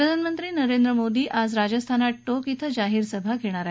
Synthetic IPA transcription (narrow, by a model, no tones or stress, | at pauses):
pɾəd̪ʱanəmənt̪ɾiːnəɾend̪ɾəmod̪iːʔad͡zɾad͡ʑəst̪ʰanaʈʈokit̪ʰəd͡ʑaɦiːɾsəbʱaɡʱeɽ̃aɾa